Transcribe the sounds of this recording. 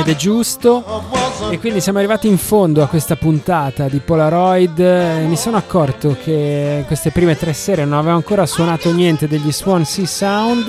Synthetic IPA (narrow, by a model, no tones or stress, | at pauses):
ed̪ɛd͡ʒust̪o | ekːwind̪isjaːmoarːivaːt̪iːɱfond̪oakːwest̪apunt̪aːt̪ad̪ipɔlaɾɔjd̪misoːnoakːɔrt̪okʰekwest̪epɾiːmet̪ɾɛsːɛːɾenonaveːvoaŋkoːɾaswonaːt̪onjɛnt̪ed̪eʎːiswɔnsisawnd̪